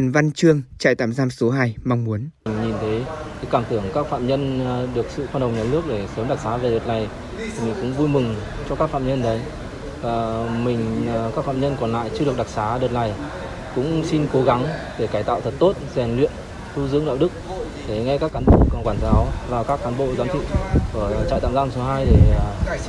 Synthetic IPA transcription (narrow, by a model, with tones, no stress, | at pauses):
nva˧nt͡ɕɨ˧əŋt͡ɕa̰ː˧˨jt̪a̰ː˧˩mzaː˧mso˨˦ɦaː˧˩jma˧wŋ͡mmu˨˦əni˨˩ŋ̟ɲi˨˩nt̪ʰe˨˦ke˨˦kaː˧˩mt̪ɨ˧˩əŋkaː˦˥k̚fa̰ː˧˨mɲə˧nɗɨ˨˩ək̚sɨ̰˧˨xwaː˧nɗə˨˩wŋ͡mɲa˨˩lɨ˦˥ək̚ɗe˧˩səː˨˦mɗa˨˩k̚saː˨˦ve˨˩ɗəː˨˩t̚la˨˩j | t̪ʰi˨˩mï˨˩ŋ̟kʊ̰˧˥ŋ͡mvu˧jmɨ˨˩ŋt͡ɕɔ˧kaː˦˥k̚fa̰ː˧˨mɲə˧nɗə˨˦j | vaː˨˩mï˨˩ŋ̟˩kaː˦˥k̚fa̰ː˧˨mɲə˧nkɔ˨˩nla̰ː˧˨jt͡ɕɨ˧ɨ˨˩ək̚ɗa˨˩k̚saː˨˦ɗəː˨˩t̚la˨˩j | kʊ̰˧˥ŋ͡msi˧nko˨˦ɣa˨˦ŋɗe˧˩kaː˧˩jt̪a̰ː˧˨wt̪ʰə˨˩t̚t̪o˦˥t̚zɛ˨˩nlwḭ˧˨ən | t̪ʰu˧zɨ̰˧˥əŋɗa̰ː˧˨wɗɨ˦˥k̚ | ɗe˧˩ŋa˧jkaː˦˥kːaː˨˦nɓo̰˧˨kːkwaː˧˩nzaː˨˦wvaː˨˩wkaː˦˥kːaː˨˦nɓo̰˧˨zaː˨˦nt̪ʰḭ˧˨ku˧˩ət͡ɕa̰˧˨t̪a̰ː˧˨ŋzaː˧mso˨˦ɦaː˧jɗe˧˩